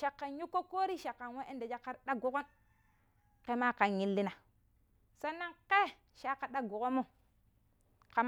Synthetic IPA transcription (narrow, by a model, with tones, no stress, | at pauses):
ʃa˨kːa˨nju˦kːo˦ko˦ɾi˦ʃa˨kːa˨nwe˦ʔe˦nde˨d͡ʒa˦kːa˦ɾɗa˦ɡo˦ko˦n | ke˦ma˦ka˨nji˦lːi˦na˨ | so˦nːa˦nke˦ | ʃa˦ka˨ɗa˦ɡo˨ko˦mːo˦ | ka˨m